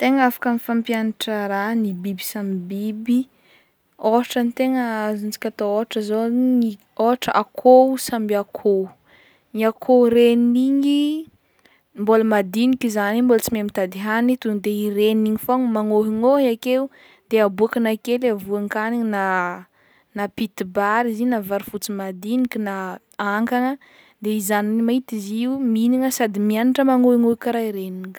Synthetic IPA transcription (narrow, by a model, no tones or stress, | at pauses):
t̪eŋəafḁkanifampjanaʈ͡ʂəɾanibibi̥samibibi | oɦaʈ͡ʂanit̪eŋəazunt͡si̥kʲat̪ooaʈ͡ʂəzoni | oaʈ͡ʂəakʰosambiakʰo | niakʰoɾeniɲi | mboləmad̪inikʲizanimbolət͡simemit̪ad̪iɦanit̪und̪eireniiɲifoŋmaŋoɦiŋoakeu | d̪eabuakənakelavuaŋkanina | napit̪ibaɾizinavaɾifut͡simad̪inikʲina | aŋkaŋə | d̪eizaniimait̪iziuminiŋəsad̪imianaʈ͡ʂəmaŋoɦiŋoikaɾaiɾeniŋ